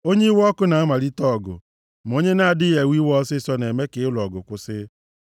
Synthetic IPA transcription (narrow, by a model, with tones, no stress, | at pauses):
o˦ɲe˦i˦wɔ˦ɔ˦kʊ˦na˨a˦ma˨ɾi˦tɔ˦˨ɡʊ̰˨ | m˨o˦ɲe˦na˦a˨dɪ˦je˨wi˦wɔ˦sɪ˦sɔ˦ne˨me˦kɪ˨˦lɔ˨ɡʊ˨kʷʊ˦sɪ˦